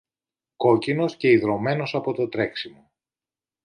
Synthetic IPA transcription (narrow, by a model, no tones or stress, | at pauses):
ko̞cino̞sce̞iðɾo̞me̞no̞sɐpo̞t̪o̞t̪ɾe̞ksimo